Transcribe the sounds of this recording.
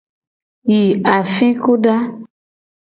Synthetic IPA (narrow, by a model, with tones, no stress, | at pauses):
ji˨a˨fĩ˦ku˦ɖa˦